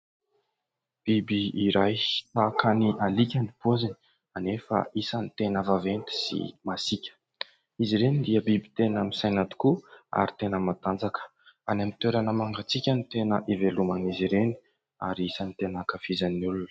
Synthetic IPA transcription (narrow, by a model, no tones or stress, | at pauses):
b̥ibiːɾajt̪akaniʔalikʲanipozani̥ | anefə̰isanit̪enəvavent̪i̥sḭmasikʲə̥ | iziɾenind̪iəbibi̥t̪enəmisajnat̪u̥kua̰ɾit̪enəmat̪and͡zakə̥ | anamit̪eɾanəmaŋɡat͡sikʲənit̪enəʔevelumaniziɾeni̥ | a̰ɾiisanit̪enakafizanːulunə̥